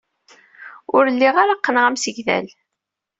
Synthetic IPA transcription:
ʊɾəlːiʁaɾaqːənʁæmsəʝðæ̰l

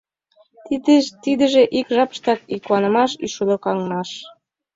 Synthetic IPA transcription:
t̪id̪ə̆ʒeʔikʒɑpə̥ʃt̪ɑkikwɑnə̆mɑʃḭʃud̪okɑŋmɑʃ

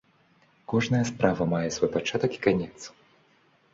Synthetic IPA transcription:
kɔʐnɐjɐspɾavɐmajɛsvɔjpat͡ʂat̪ɐki̥kanʲɛt̪s

